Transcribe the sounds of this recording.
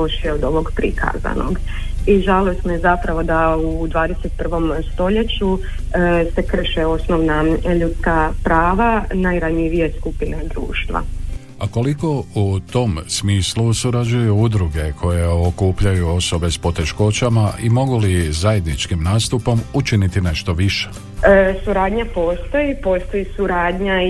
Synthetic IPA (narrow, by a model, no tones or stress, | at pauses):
oʃeod̪o̞ʋo̞ɡpɾikʰa̰za̰no̰ɡ | iʒalosnojezapɾaʋo̞d̪aud̪ʋaːd̪eset̪̚pr̩ʋo̞mst̪o̞ʎet͡ɕu | se̞kr̩ʃeo̞snoʋnaʎut̪skapɾaːʋanajɾaɲiʋije̞skupine̞d̪ɾṵːʃt̪ʋa̰ | ako̞liko̞ut̪o̞msmiːslusuɾad͡ʑujuud̪ɾuɡe̞kʰo̞je̞o̞kuːpʎajuo̞so̞be̞spo̞t̪e̞ʃko̞t͡ɕamaʔimo̞ɡulizaje̞d̪nit͡ʃkimnaːst̪upo̞mut͡ʃinit̪ine̞ʃt̪o̞ʋiʃe̥ | suɾaːd̪ɲapo̞ːst̪o̞jipo̞ːst̪o̞jisuɾaːd̪ɲa